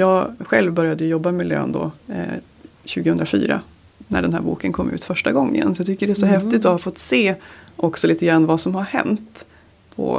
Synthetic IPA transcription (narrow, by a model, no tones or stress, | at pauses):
jɑːɡɧɛlvbœɾjad̪əjɵjɔbːamɛlø̰ːnd̪ɔ̰ | ɕʉ̟ːɡəhɵnd̪ɾafy̰ːɾa̰ | næ̰ɖɛnɦæ̰ːɾbṵːkənkʰɔmːʔʉ̟ːt̪fœʂʈaɡɔŋːə̰nsɔjɑt̪ʰʏkːəɖɛsɔhɛft̪ɪt̪ɔhafɔt̪ːseːʔɔksɔliːt̪əɡɾanːvasɔmhaɾhɛ̰nt̪ | pʰɔ̰